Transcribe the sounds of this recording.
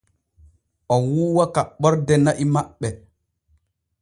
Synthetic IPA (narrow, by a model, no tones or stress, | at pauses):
ʔɔnwuːwakaɓɔɾdɛnaʔimaɓːɛ